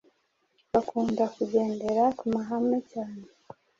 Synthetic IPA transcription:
βakuːndakuɟe̞ːnde̞ɾakumaɦamecaːne

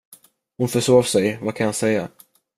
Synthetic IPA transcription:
hʊnfœʂoːvsɛjvakʰanhansɛjːa

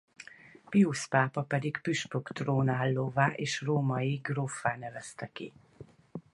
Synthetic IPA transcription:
piuspaːpɒpɛd̪ikpyʃpokt̪roːnaːlːoːvaːʔeːʃroːmɒjiɡrofaːnɛvɛst̪ɛkḭ

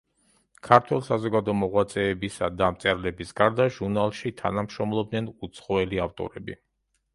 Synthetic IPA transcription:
kʰaɾt̪ʰwɛlˠisazɔɡad̪ɔmɔʁwat̪sʼɛːbisad̪amt̪sʼɛɾlɛbisɡaɾd̪aʒuɾnalˠʃit̪ʰa̰namʃɾɔmlˠɔbdnɛnut̪sʰχɔɛliaft̪ʼɔ̰ɾɛbḭ

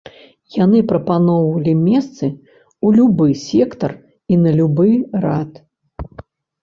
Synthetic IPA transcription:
janɨpɾɐpanɔvɐlʲimʲɛst̪sɨ | ulʲubɨsʲɛkt̪ɐr | inɐlʲubɨrat̪

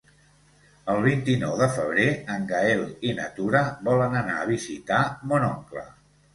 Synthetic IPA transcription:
əlˠβ̞int̪inɔwðəfəβ̞ɾeəŋɡaelˠinə̰t̪uɾəβɔlənənaəβizit̪amonɔŋklə̰

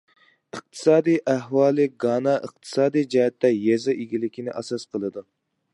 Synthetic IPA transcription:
əq̚t̪ʰɨ̥sɑːd̪ijʔæhwɑːlˠɨɡɑːnɑʔəq̚t̪ʰɨ̥sɑːd̪ijd͡ʒɑɦɛt̪ːɛjɛzɨʔiɡʲilɪkʲinɪʔɑ̰sɑsqʰəlˠɨd̪u

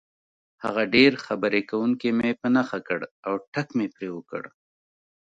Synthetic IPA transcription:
ha̰ɣaɖeɾxabəɾekawuŋkemepənaxakəɽawʈakmepɾewəkə̰ɽ

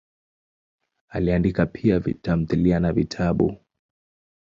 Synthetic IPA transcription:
aliandikapʰiavḭtam̩θilianavitʰaɓṵ

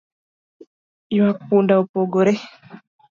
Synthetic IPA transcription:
iwak̚pundaopoɡoɾe

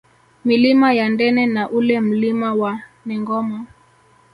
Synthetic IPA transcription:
milimajandɛnɛnaʔulɛm̩limawanɛŋɡɔmɔ

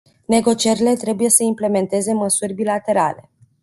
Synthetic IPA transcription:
ne̞ɡo̞t͡ʃieɾile̞t̪ɾe̞buje̞səimple̞me̞nt̪e̞ze̞məsurʲbilat̪e̞ɾa̰le̞̰

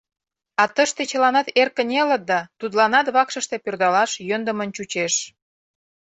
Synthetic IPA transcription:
ɑt̪əʃt̪et͡ɕəlɑnɑt̪erkə̆nʲelət̪̚d̪ɑt̪ud̪lɑnɑt̪βɑkʃəʃt̪epørd̪ɑlɑʃjønd̪əmənt͡ɕut͡ɕeʃ

